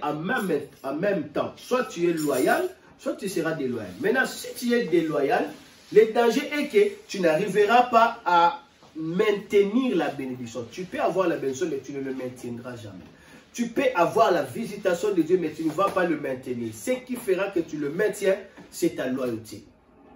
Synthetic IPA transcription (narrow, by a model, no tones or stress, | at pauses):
ãmɛmãmɛmtɑ̰̃swatyɛlwajal | swatyseʁadelwaja̰lmɛnãsityɛdelwajalː | edɑ̃ʒeʔeketynaʁivəʁapaa | mɛ̃teniʁlabenediksjɔ̃typeavwaʁlabeneisjɔ̃mɛtynələmɛ̃tjɛ̃ndʁaʒa̰mɛ̰ | typeʔavwaʁlavizitasjɔ̃dedjømɛtynəvapaləmɛ̃teniʁsəkifeʁakətyləmɛ̃tjɛ̃sɛtalwajotḛ